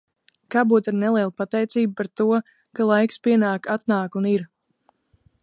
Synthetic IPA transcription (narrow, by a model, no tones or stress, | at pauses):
kaːbuːt̪aɾnɛliɛlˠpat̪ɛjt̪siːb̚paɾt̪uɔ | kalˠajkspʲiɛnaːkat̪naːkuniɾ